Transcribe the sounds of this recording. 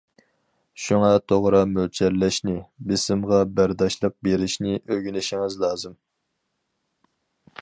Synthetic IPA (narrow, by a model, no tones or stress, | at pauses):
ʃuŋɑt̪ʰoʁɾɑmølt͡ʃʰɛɾlɛʃnɪbɪsɪmʁɑbæɾd̪ɑʃlˠəq̚beɾɪʃnɪʔøɡʲynɪʃɪŋɪzlˠɑːzɨm